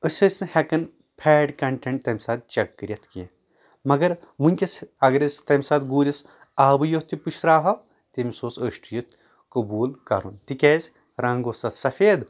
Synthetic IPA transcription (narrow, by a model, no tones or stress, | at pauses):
əsʲɐsʲɨhekɐn | pʰeːɖkɐɳʈeɳʈ̚t̪ɐmʲsaːt̪̚t͡ʃɐkːɨɾʲjɐt̪ʰki | mɐɡɐɾmunʲkʲɐsɐɡɐɾɐsʲt̪ɐmʲsaːt̪ɡuːɾʲɐs | aːbɨjot̪ʰiput͡ʃʰɾaːɦɐ | t̪imʲisoːsəːʃʈujɐt̪ʰ | kɐbuːlkɐ̰ɾunt̪ikʲeːzʲ | ɾɐ̃ŋɡoːsɐt̪sɐfeːd̪